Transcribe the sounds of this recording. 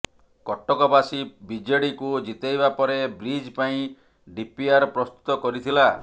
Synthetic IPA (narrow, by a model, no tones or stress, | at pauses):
kɔʈːɔkɔbasibid͡ʒeɽikud͡ʒit̪ejbapɔɾebɾid͡ʒpaĩ | ɖipiaɾɔpɾɔst̪u̥t̪ɔkɔɾit̪ʰila